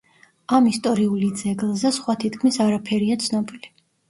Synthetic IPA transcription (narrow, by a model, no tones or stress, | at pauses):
amist̪ʼɔɾiulid̪zɛɡlˠzɛsχwat̪ʰit̪kʰmisaɾapʰɛɾiat̪sʰnɔbili